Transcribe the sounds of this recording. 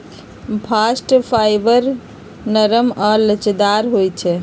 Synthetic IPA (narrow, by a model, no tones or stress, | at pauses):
pʰasʈpʰajbəɾ | nəɾəmalət͡ʃd̪aɾɦojt͡ʃʰɛ